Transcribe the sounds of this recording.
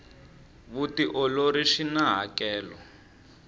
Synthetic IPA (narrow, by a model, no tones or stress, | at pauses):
βutiʔɔloɾiʂinaɦa̰kɛːlɔ